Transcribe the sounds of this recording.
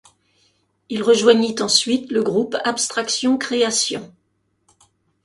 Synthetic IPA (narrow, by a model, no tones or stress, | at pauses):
ilʁəʒwaɲit̪ɑ̃sɥit̪ləɡʁupapst̪χaksjɔ̃kχeasjɔ̃